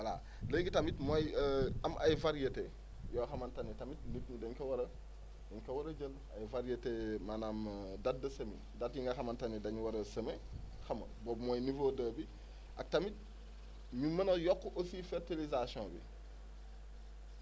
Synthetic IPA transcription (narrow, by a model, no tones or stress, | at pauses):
wala̰ | ləɡitamitmojamʔa̰jvaɾjete | joxamantanetamit̚nitnudɐɲkɐwɐɾɐ | dɐɲkɐwɐɾɐɟəl | a̰jvaɾijetemanamdat̚dɐsɐmḭ | datjiŋɡɐxɐmantanedaɲwɐɾɐsɐme | xamɐ̰boːbmoːjnivodɐbi | ʔa̰k̚tamit̚ | mimɐnɐjɔkːʔosifeɾtilizasiõbḭ